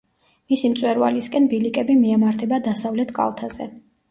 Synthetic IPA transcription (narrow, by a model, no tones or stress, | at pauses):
misimt̪sʼwɛɾva̰liskʼɛnbilikʼɛbimiamaɾt̪ʰɛbad̪asavlɛt̪ʰkʼa̰lˠt̪ʰaz̥ɛ̰